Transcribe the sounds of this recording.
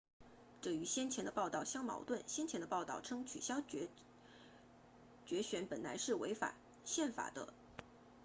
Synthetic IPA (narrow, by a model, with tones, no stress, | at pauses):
ʈ͡ʂɤ˥˩y˧˥ɕjɛ˥nt͡ɕʰjɛ˧˥nd̪ə˧pɑ˥˧ʊt̪ɑ˥˩ʊɕjɑ˥ŋmɑ̰˧˥ʊt̪wə˥˩nɕjɛ˥nt͡ɕʰjɛ˧˥nd̪ə˧pɑ˥˧ʊt̪ɑ˥˩ʊʈ͡ʂʰɤ˥ŋt͡ɕʰy̰˨˩ɕjɑ˥ʊ˧˥ | t͡ɕɥɛ˧˥ɕɥɛ˧˥npə˨˩nla˧˥ɪʂɻ̩˥˩wḛ˧˥ɪfa̰˨˩ | ɕjɛ˥˩nfa̰˨˩d̪ə̰˦